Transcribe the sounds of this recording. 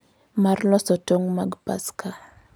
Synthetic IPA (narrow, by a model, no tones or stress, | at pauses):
marlɔsɔtoŋmaɡpa̰skʰa